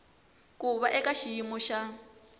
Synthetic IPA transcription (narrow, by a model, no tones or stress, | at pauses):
kuβaʔɛkaʃijimɔʃa